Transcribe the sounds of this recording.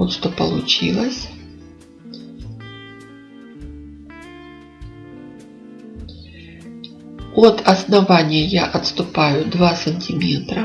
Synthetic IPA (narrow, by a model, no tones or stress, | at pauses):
ot̪ʂt̪opə̰lˠʊt͡ɕilˠəsʲ | ot̪ɐsnɐvanʲɪjəjaʔɐt̪st̪ʊpajʊd̪vasənʲtʲɪmʲet̪ɾɐ